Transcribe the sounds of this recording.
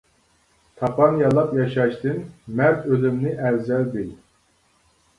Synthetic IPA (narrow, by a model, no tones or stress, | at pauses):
t̪ʰɑpʰɑnjɑlˠɑpjɑʃɑʃt̪ɨnmæɾt̪ʰølymnɪʔɛlzɛld̪ɪ